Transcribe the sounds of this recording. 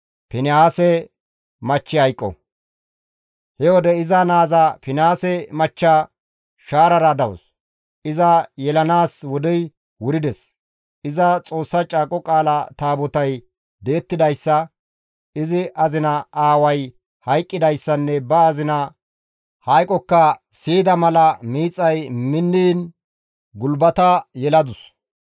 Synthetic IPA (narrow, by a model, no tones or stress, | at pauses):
pɪnɪaːsɛ | mɐt͡ʃːɪhɐjkʼːɔ̰ | hɛwɔd̪ɛɪzɐnaːzɐpɪnɪaːsɛmɐt͡ʃːa | ʃaːɾɐɾɐd̪ɐwɔ̰s | ɪzɐjɛlɐnaːswɔd̪ɛj | wʊɾɪd̪ɛs | ɪzɐt͡sʼo̞ːsːɐt͡ʃʼaːkʼːɔkʼaːlɐt̪aːbɔt̪ɐj | d̪e̞ːt̪ːɪd̪ɐjsːɐ | ɪzɪʔɐzɪnɐʔaːwɐj | hɐjkʼːɪd̪ɐjsːɐnːɛbɐːzɪnɐ | hɐjkʼːɔkːɐsiːd̪ɐmɐlɐmiːt͡sʼːɐjmɪnːiːn | ɡʊlbɐt̪ɐjɛlɐd̪ʊs